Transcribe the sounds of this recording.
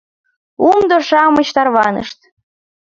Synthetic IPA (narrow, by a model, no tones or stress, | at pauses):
umd̪oʃɑmət͡ɕt̪ɑrβɑnə̰ʃt̪